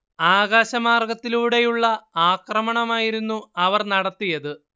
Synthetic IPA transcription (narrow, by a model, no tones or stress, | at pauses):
aːɡaːɕɐmaːrɡɐt̪ːiluːɽe̞juɭːɐaːkrɐmɐɳɐmaːjiɾunːuɐʋɐrnɐɽɐt̪ːijɐðɨ